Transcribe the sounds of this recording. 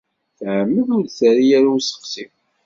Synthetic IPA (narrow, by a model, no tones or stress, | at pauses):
θʕəmːəðʊɾt͡sæɾijæɾuwsə̥qsim